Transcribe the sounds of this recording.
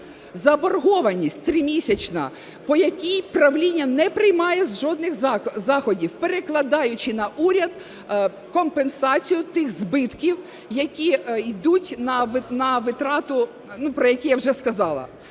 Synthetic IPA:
zɐbɔrɦɔʋɐnʲisʲtʲt̪ɾɪmʲisʲɐt͡ʃnɐ̰ | pɔjɐkʲijpɾɐʋlʲinʲːɐnɛpɾɪjmɑjɛzʒɔd̪nɪxzɑxɔdʲiwpeɾeklˠɐd̪ɑjʊt͡ʃɪnɐʔuɾʲɐd̪ | kɔmpensɑt͡sʲijʊt̪ɪxzbɪt̪kʲiw | jɐkʲijd̪utʲnɐʋnɐʋɪt̪ɾɑt̪ʊ | nupɾɔjɐkʲijawʒɛskɐzɑlˠɐ̰

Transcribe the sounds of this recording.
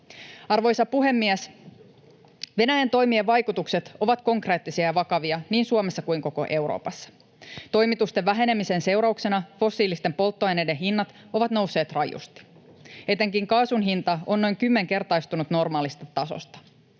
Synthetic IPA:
ɑrʋo̞jsɑpuɦe̞mːiæs | ʋe̞næjænt̪o̞jmieʋɑjkut̪ukse̞t̪o̞ʋɑt̪ko̞ŋkreːt̪ːisiɑjɑʋɑkɑʋiɑniːnsuomesːɑkuiŋko̞ko̞̰ʔe̞wɾo̞̰ːpɑsːɑ̥ | t̪o̞jmit̪ust̪eʋːæɦe̞ne̞mise̞nse̞wɾɑukse̞nɑfo̞sːiːlist̪e̞mpo̞lt̪ːoɑjne̞de̞nɦinːɑt̪ | o̞ʋɑt̪no̞wsːe̞ːt̪rɑjṵst̪i̥ | e̞t̪e̞ŋkiŋkɑːsunɦint̪ɑo̞nːo̞jŋkymːe̞ŋke̞rt̪ɑjst̪unut̪no̞rmɑːlist̪ɑt̪ɑso̞̰st̪ɑ̥

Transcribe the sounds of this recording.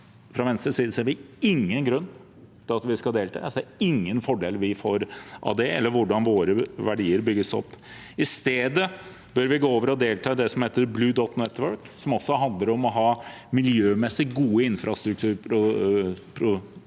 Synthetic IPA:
fɾɑʋɛnst̪ɾəsiːd̪əsɔæɾʋɪɪŋːənɡɾʉnː | t̪ʰɪlɑt̪ʋɪskɑld̪eːlt̪ʰɑ̰ːsæɪŋːənfɔɖeːlʋɪfoːɾʔɑ̰d̪eːɛ̰lːəɾʋʊɖɑnʋoːɾəʋæɖiːəɾbʏɡːəsɔ̰pː | ɪst̪eːd̪ə | bœɾʋɪɡoːoːʋəɾɔd̪eːlt̪ʰɑːd̪ɛsɔmheːt̪əɾblʉːd̪ɔt̪nɛt̪ːʋœɹksɔmɔsːɔɦɑnd̪ləɾɔmɔɦɑːmɪljøːmɛsːɪɡuːəɪnfɾɑst̪ɾʉk̚t̪ʰʉːɾɾʊpʰɾʊ

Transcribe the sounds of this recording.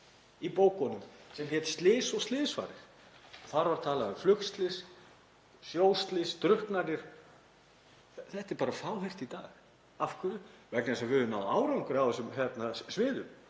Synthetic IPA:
ipoːwkɔnːʏmsɛmçɛt̪st̪lɪːsɔɣst̪lɪːðsva̰ːɾɪɾ̥ | θaɾvaɾ̥t̪ʰaːlaðʏmflʏkst̪lɪs | sjoːwst̪lɪst̪ɾʏhknaɾnɪɾ̥ | θɛht̪ɛɾpaːɾafaːwɦejr̥t̪it̪aːɣ | afkʰʏɾʏvɛknɪɛsavɪðʏnaðaːwɾawŋkʏɾawðɛsʏmçjɛt̪nasvɪːðʏm

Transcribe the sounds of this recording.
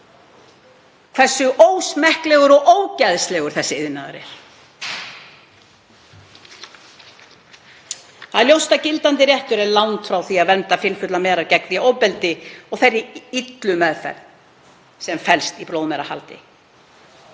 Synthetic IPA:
kʰvɛr̥sʏʔoːwsmɛhklɛːɣʏɾɔɣʔoːwcaðslɛɣʏɾ̥θɛsːɪɪðnaðʏ̰ɾɪ̰ɾ̥ | θaðljowst̪acɪlt̪ant̪ɪɾjɛht̪ʏɾɛɾlawnt̪fɾawθiaðvɛmt̪afɪlfʏt̪lamɛːɾaɾcɛkvɪowpɛlt̪ɪɔɣθɛrːɪit̪lʏmɛðfɛ̰ɾ | sɛmfɛlst̪ipɾowðmɛɾaha̰lt̪ɪ̰

